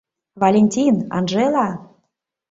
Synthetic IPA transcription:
valʲenʲtʲinɑ̰nʒelɑ

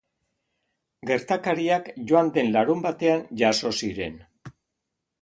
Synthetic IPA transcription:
ɡe̞ɾt̪akaɾiakʝo̞and̪e̞nlaɾumbat̪e̞and͡ʒaso̞siɾe̞̰n

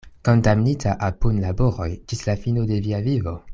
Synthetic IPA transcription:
ko̞ndamnitʰaʔapunlaboɾojd͡ʒislafino̞de̞viavivo̞

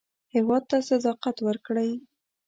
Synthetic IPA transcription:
hɪwɑd̪̚t̪asad̪ɑqat̪wəɾkɽəj

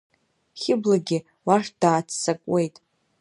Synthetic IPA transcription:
χʲɪblaɡʲɪ | waʂd̥aːt͡sʰsakʷʼwe̞jtʼ

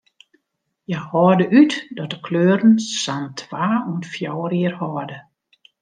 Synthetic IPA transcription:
jahɔːdəʔytdɔtdəkʰløːɾən̩santʰʋaːunfjɔwəriərhɔdə

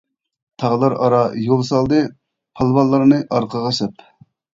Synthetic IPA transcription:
t̪ʰɑʁlˠɑɾɑɾɑjolˠsɑlˠd̪ɨ | pʰɑlˠvɑlˠːɑɾnɨʔɑɾqʰəʁɑʃɛp

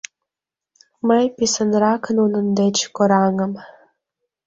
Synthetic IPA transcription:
məjpisənɾɑkənunə̆nd̪et͡ɕkoɾɑŋə̆m

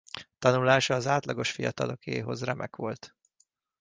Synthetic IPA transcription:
t̪ɒnulaːʃɒːzaːt̪lɒɡo̞ʃfijɒt̪ɒlo̞keːɦo̞̰zrɛmʔɛkʋo̞lt̪

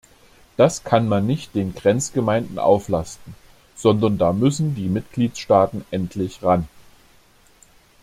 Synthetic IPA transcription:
d̥askʰanmanːɪçt̚d̥eːnɡʁɛnt͡sɡ̥əmaɪndn̩ʔa̰ʊflastn̩ | z̥ɔndɐndaːmʏsn̩diːmɪtɡ̥liːtsʃtaːtn̩ʔɛntʰlɪçʁan

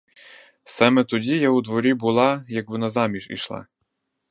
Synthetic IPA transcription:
sɑmɛt̪ɔdʲijaud̪ʋɔɾʲibʊlˠɑjɐkʋɔnazɑmʲiʒḭʃlˠɑ̰

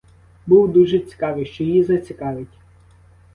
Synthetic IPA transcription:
buwd̪uʒɛt͡sʲi̥kɑʋɪjʃt͡ʃɔjizɐt͡sʲikɑʋɪtʲ

